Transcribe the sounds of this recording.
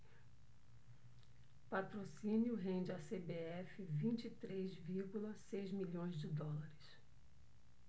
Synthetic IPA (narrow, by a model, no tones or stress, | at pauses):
pat̪ɾosĩnjʊɦẽnd͡ʒɪasebeɛfɪvĩnt͡ʃit̪ɾejzviɾɡulɐsejzmiʎõj̃zd͡ʒɪd̪ɔlaɾɪs